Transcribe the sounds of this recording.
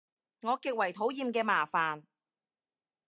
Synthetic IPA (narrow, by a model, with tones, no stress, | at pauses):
ŋɔː˨˧kɪ˨k̚wɐ˨˩jt̪ʰo˨˥wjiː˨˧mkɛː˧maː˨˩faː˨n